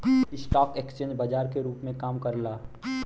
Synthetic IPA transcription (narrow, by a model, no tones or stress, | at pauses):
ɪsʈɔːkekst͡ʃẽːɲd͡ʒbad͡ʒaːɾkeɾuːpmẽkaːmkɐɾlaː